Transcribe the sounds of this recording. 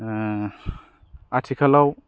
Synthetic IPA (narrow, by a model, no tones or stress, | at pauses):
atʰikʰalaw